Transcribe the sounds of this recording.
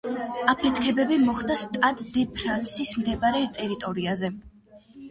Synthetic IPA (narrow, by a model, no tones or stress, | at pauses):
apʰɛt̪ʰkʰɛbɛbimɔχd̪ast̪ʼad̪d̪ɛpʰɾansismd̪ɛbaɾɛt̪ʼɛɾit̪ʼɔɾiazɛ